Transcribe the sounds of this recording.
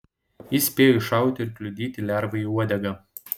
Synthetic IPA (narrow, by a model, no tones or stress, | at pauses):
jɪsʲpʲeːjɔɪʃɑˑʊt̪ʲɪɪɾklʲʊd̪ʲiːt̪ʲɪlʲæˑɾʋɐiuɔd̪ʲɛɡɐ